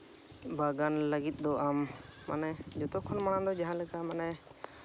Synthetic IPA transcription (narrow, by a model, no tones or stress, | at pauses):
baɡanləɡit̪̚ˀd̪ɔʔamːa̰nɛd͡ʒɔt̪ɔkʰɔnmaɽ̃ãd̪ɔd͡ʒaɦãləkamanɛ